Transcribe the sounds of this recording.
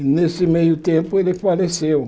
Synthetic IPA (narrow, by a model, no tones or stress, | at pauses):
nesɪmejʊt̪ẽmpʊelɪfalesew